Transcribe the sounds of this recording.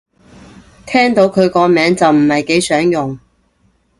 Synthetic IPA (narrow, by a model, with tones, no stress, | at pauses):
t̪ʰɛː˥ŋt̪o˨˥wkʰɵ˨˧ɥkɔː˧mɛː˨˥ŋt͡sɐ˨wm̩˨˩hɐ˨jke˨˥jsœː˨˥ŋjʊ˨ŋ